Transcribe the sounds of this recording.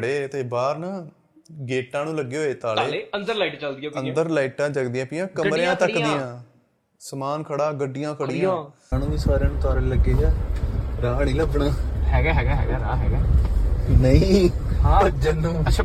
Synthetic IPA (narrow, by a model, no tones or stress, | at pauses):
ɽeːt̪eːbaːɾnaː | ɡeːʈãːnũːləɡːeːɦoːeːt̪aːleːeənd̪əɾlaːiʈːt͡ʃəld̪iːaənd̪əɾlaːiːʈãːd͡ʒəɡd̪ɪjãːpɪjãːkəmɾẽãːt̪əkd̪ɪj̃ãː | səmaːnkʰəɽaːɡəɖːɪjãːkʰəɽɪjãː | anũːbiːsaːɾãːnũːt̪ʊaːɾeləɡeːd͡ʒaːɾaːnĩːləbɳaːɦɛːɡaːɦɛːɡaːɦɛ̰ːɡaːɾaːɦɛːɡɛː | nəĩːad͡ʒənũːət͡ʃʰː